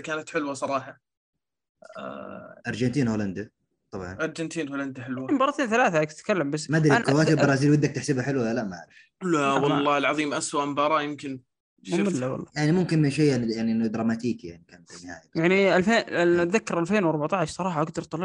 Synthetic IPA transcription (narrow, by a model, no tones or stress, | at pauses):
kaːnat̪ħɪlwasˤɑɾˤɑːħɑ | ʔɑɾˤd͡ʒant̪iːnhoːland̪a | t̪ˤɑbʕɑ̰nʔɑɾˤd͡ʒɪnt̪iːnholand̪aħɪlwambɑːɾˤɑt̪eːnθalaːθakt̪ɪ̥t̪kalːambas̬ːmad̪ɾikawaːt̪ibɑɾˤɑːziːlwɪd̪ːak̚t̪ɪħsabaħɪlwaalaʔmaʕaɾɪf | lawɑlˤːɑːɪlʕɑðˤiːmʔaswaʔmbɑːɾˤɑjɪmkɪn | ʃmɪlːawɑ̰lˤːɑ̰jaʕnimʊmkɪnmɪnʃ̬eːanjaʕniʔɪnːad̪ɾˤɑmaːt̪iːkjaʕnikaːnfinːɪha̰ːjjaʕniʔalfeːðakːɑɾʔalfeːnwɑɾˤbaʕt̪aʕɪʃsˤɑɾˤɑːħɑʔaɡd̪ɑɾˤt̪ˤɑl